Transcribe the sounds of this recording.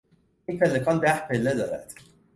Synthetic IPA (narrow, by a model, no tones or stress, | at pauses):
epʰelːekʰɒnd̪æhpʰelːed̪ɒːɾæ̰d̪̥